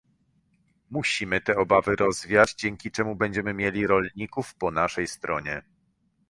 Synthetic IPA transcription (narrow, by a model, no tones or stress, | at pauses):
muɕimɘt̪ɛɔbavɘɾɔzvʲjad͡ʑd͡ʑɛŋʲkʲit͡ʂɛmubɛɲd͡ʑɛmɘmʲjelʲiɾɔlɲikufpɔnaʂɛjst̪ɾɔɲɛ